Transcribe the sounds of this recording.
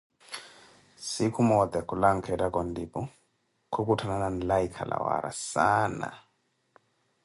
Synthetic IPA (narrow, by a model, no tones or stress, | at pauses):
sikʰumɔd̪ɛkʰulaŋkʰɛdakɔndipu | kʰokutʰanananlaikʰa̰la̰wa̰ɾa̰sana̰